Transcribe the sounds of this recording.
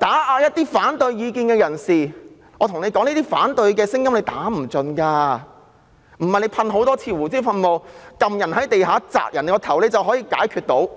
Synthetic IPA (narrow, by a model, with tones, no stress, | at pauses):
t̪aː˨˥ʔaː˨˧jɐ˥t̚t̪iː˥faː˨˥nt̪ɵ˨˧ɥjjiː˨˧kiː˧nkɛː˧jɐ˨˩nsiː˨˩ | ɔː˨˧t̪ʰŋle˨˧jkɔː˨˥ŋliː˥t̪iː˥faː˨˥nt̪ɵ˨˧ɥkɛː˧sɪ˥ŋjɐ˥mle˨˧jt̪aː˨˥m̩˨˩t͡sɵ˨˧nkaː˧ | m̩˨˩hɐ˨jle˨˧jpʰɐ˧nɦo˨˥wt̪ɔː˥t͡sʰiː˧wuː˨˩t͡siː˥fɐ˧nmo˨wkɐ˨mjɐ˨˩nhɐ˨˥jt̪e˨jhaː˨˥t͡sa̰ː˧˩k̚jɐ˨˩ne˨˧˥kɔ˧t̪ʰɐ˨˩wle˨˧jt͡sɐ˨wɦɔː˨˥jiː˧ka̰ː˨˥jkʰy˧t̚t̪o˨˥w